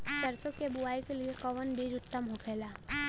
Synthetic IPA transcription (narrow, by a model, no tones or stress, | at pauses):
səɾt̪okebuaːikeliekəʋənbʱiɾʊt̪ːəmɦokʰela